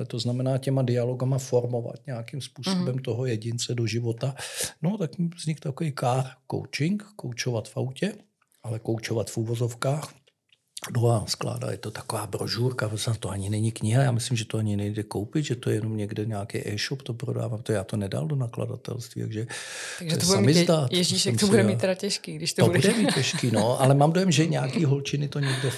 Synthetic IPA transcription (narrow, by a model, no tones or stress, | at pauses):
lɛt̪o̞znamɛnaːcɛmadɪalo̞ɡamafo̞ɾmo̞va̰t̪ɲɛakimspuːsobɛmt̪o̞ɦo̞jɛɟɪnt͡sɛdo̞ʒɪvo̞t̪ano̞t̪akvz̥ɲɪkt̪akoviːkaːrko̰wt͡ʃɪŋkkowt͡ʃo̞vat̪fawcɛ | ʔalɛkowt͡ʃovat̪fuːvo̞zo̞fkaːx | doɦaːskla̰ːda̰jɛt̪ot̪ḁkovaːbɾoʒuːɾkapɾosat̪oʔaɲɪnɛɲɪkɲɪɦajaːmɪslɪmʒɛt̪oaɲɪnɛjdɛkowpɪd̪ʒɛt̪ojɛjɛnomɲɛɡdɛɲɛːkɛ̰ːʔɛːʃopt̪opɾoda̰ːvampɾot̪oʒɛjaːt̪onɛda̰ldonakla̰da̰t̪ɛ̰lst̪viːt̪a̰ɡʒɛaʒɛsɛsuammɪzdaːt̪jmɛʒiʃɛmkmt̪obudɛmitt̪ːɛɾacɛʃkiːɡdɪʃt̪obudɛmiːcːɛʃkiːnoʔalɛmaːmdo̞jɛmʒɛɲɛakiːɦolt͡ʃɪnɪt̪oɲɛɡdɛ